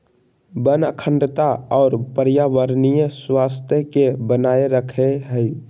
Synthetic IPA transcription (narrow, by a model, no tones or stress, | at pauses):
bənə̰kʰəɳɖət̪aɔːɾpəɾjaʋəɾnijəswast̪ʰjəkebənaeɾəkʰeɦəi